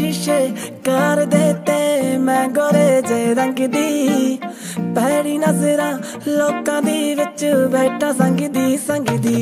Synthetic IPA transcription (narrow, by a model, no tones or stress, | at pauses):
ɪʃeː | kəɾd̪eːt̪eːmɛ̃ːɡoɾeːd͡ʒeːɾə̃ŋɡd̪iː | pɛːɽiːnəzɾãː | loːkãːd̪iːʋɪt͡ʃbeːʈʰãːsə̃ŋɡd̪iːsə̃ŋɡd̪iː